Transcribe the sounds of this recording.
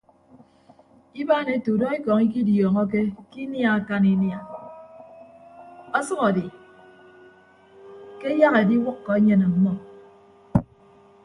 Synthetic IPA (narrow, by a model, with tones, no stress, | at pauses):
i˦baː˦˨ne˨tu˨dɔ˦i˦kɔ˨ŋi˦k̬i˦djɔː˨ŋɔ˦k̬e˦ki˦nja˦a˦˨ka˦ni˦nja˨ | ɔ˦sʌ˦ɣɔ˨di˨ | ke˦ja˦ɣe˨di˦wʊ˦kːɔ˨e˦ɲe˦na˨m̩˨mɔ˦